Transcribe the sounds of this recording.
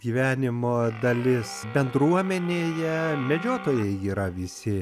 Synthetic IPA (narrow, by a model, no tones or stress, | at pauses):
ɡʲiːʋʲæːnʲɪmoːd̪ɐlʲɪsbʲɛnd̪ɾuɔmʲɛnʲeːjɛmʲɛd͡ʒʲoːt̪oːjɛɪiːɾɐʋʲɪsʲɪ